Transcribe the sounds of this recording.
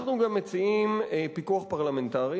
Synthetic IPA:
χnuɡamːet͡siimepikuaχpaʁlame̞nt̪aʁi

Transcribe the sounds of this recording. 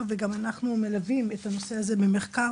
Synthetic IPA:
veɡamanaχnume̞lavimethano̞se̞aze̞beme̞χka

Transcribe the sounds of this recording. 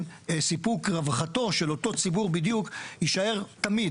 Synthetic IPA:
sipukʁavχato̞ʃelo̞to̞t͡sibuʁbid̪jukiʃae̞ʁt̪amid

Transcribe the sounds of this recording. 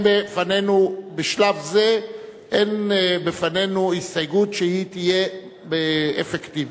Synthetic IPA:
befane̞nubeʃlavzeʔenbefane̞nuistajɡutʃehit̪ije̞ | beefekt̪ivi

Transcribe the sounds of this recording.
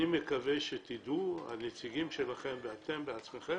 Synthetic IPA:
imekave̞ʃet̪id̪ua̰net͡siɡimʃe̞laχe̞mbeat̪e̞mbeat͡sme̞χe

